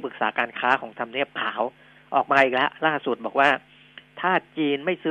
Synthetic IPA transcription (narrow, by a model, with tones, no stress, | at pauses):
pɯ˨˩k̚saː˩˦kaː˧nkʰaː˦˥kʰɔː˩˦ŋt̪ʰa˧mni˥˩əp̚kʰaː˩˦w | ʔɔː˨˩k̚maː˧ʔiː˨˩k̚lɛ˦˥ʔlaː˥˩su˨˩t̪̚bɔː˨˩k̚waː˥˩ | t̪ʰaː˥˩t͡ɕiː˧nma˥˩jsɯː˦